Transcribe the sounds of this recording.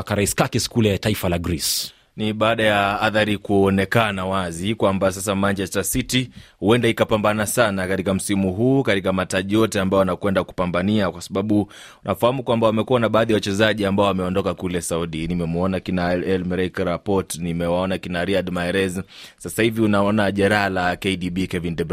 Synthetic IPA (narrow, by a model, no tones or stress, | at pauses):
kaɾaisi̥kakɛskulɛjataifalaɡɾis | niɓaːɗajaaθaɾikuɔnɛkanawazikwambas̬as̬amant͡ʃɛstasitihuɛndaikapambanasanakatikam̩simuɦuːkatikamataʄijɔtɛambajɔanakwɛndaku̥pambaniakwasaɓaɓu | unʔafahamukwambawamɛkuwanaɓaːðijawat͡ʃɛzaʄiambaɔwamɛɔndɔkakulɛsauɗinimɛmuɔnakinaɛlmɛɾakɾapɔtnimɛwaɔnakinaɾiadmaɛɾɛzsasahiviunaɔnaʄɛɾaɦalakɛiɗiɓikɛvindɛbɾ